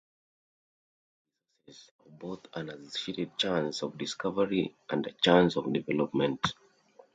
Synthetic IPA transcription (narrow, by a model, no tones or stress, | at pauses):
isasɛsɔvboθãnassfitɛd̚t͡ʃãnsɔvdiskʰavəɹiʔãndt͡ʃãnsɔvdivɛlɔpmɛ̃nt